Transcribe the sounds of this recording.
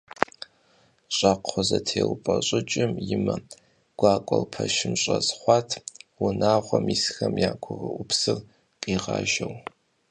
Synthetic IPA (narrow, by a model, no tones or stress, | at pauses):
ɕʼaqʷʰɔzɐtʰeːwpʼɐɕʼɪt͡ʃʼɪmjɪmɐ | ɡ̥ʷɑːkʷʼɔlpʰɐʃɪmɕʼɐzχʷɑːtʰwʊnaːʁʷɔmiːsxɐmjaːkʷʰʊʁəʔʷʊpsɨr | qʼiːʁɑ̰ːʒɐw